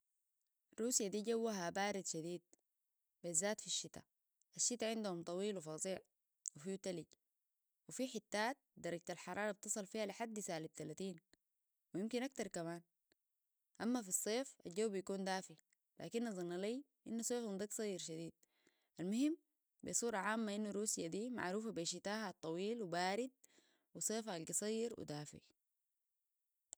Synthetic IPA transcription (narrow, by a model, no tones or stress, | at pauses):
ɾuːsijad̪iːɟawːaɦabaːɾid̪ʃad̪iːd̪̚ | bazːaːt̪fiʃːit̪a̰ | ʔaʃːit̪aʕɪnd̪uhumt̪ˤɑwiːlwifɑːzˤiːʕ | wifit̪aliɟ | wifiħit̪ːaːt̪̚d̪ɑɾˤɑɟ̚t̪alħɑɾˤɑːɾˤɑb̚t̪ɨsˤɨlfiːhaliħad̪ːisaːlit̪alat̪iːn | wijimkinʔak̚t̪ɑɾˤkamaːn | ʔamːafisˤːeːfald͡ʒawːbijakuːnd̪aːfi | la̰ːkinːɑzˤɨnːɑlij | ʔinːusˤeːfund̪iːksˤɑjːiɾʃad̪iːd̪̥̚ | ʔalmʊhimː | bḭsˤuːɾˤɑʕaːmːaʔinːuɾuːsijad̪iːma̰ʕɾuːfabeːʃit̪aːhat̪ˤːɑwiːlwibaːɾid̪̚ | wisˤeːfʔalɡisˤɑjːiɾwḭd̪aːfḭ